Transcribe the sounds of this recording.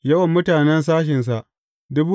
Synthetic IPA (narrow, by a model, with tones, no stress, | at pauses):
jɐ˦wɐ˨mːʊ˦taː˨nɛ˦ns̬aː˦ʃ̬ɪ˨ns̬a˨ʔ | dʊ˦buː˦